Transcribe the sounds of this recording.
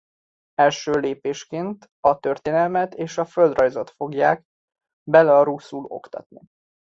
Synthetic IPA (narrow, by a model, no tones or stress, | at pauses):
ɛlʃøːleːpeːʃkeːnt̪ | ɒt̪ø̞rt̪eːnɛlmɛt̪eːʃɒføld̪rɒjzot̪fo̞ɡjaːk | bɛlɛɒɾusːulo̞̰kt̪ɒ̰t̪nḭ